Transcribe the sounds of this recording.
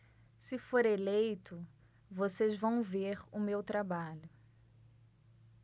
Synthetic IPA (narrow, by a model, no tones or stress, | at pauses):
sɪfoɾelejt̪ʊ | vosezvɐ̃w̃veɾʊmewt̪ɾabaʎʊ